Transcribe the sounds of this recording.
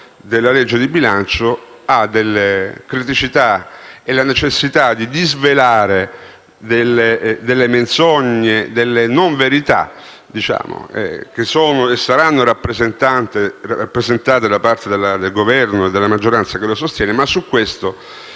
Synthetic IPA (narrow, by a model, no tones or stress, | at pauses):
d̪elːaled͡ʒːed̪ibilant͡ʃoad̪elːekɾit̪it͡ʃit̪aelanet͡ʃesːit̪ad̪id̪izvelaːɾe | d̪elːed̪elːement̪soɲːed̪elːenoɱveɾit̪a̰ | d̪it͡ʃa̰ːmo̰ɛ̰k̟esoːnoesːaɾanːoɾapːɾezent̪ant̪erarapːɾezent̪aːt̪ed̪apart̪ed̪elːad̪elɡovɛrnoed̪ːelamad͡ʒːoɾant̪sakelosost̪jɛːnemasːukːwest̪o